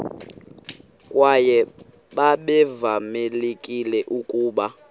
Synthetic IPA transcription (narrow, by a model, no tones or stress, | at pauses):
kʼwajɛ | ɓaɓɛvamelekʼilɛʔukʼuːɓa